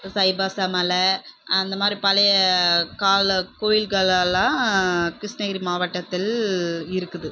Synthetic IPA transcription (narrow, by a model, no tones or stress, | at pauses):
sɐɪbaːsɐmɐlɐɐnd̪ɐmaːd̪ɾipɐlɐjɐkaːɭkoːjɪlɣɐɭɐlãːkɾɪsnɐɣɐɾimaːʋɐʈːɐt̪ːɪlɪɾɯkːɯðɯ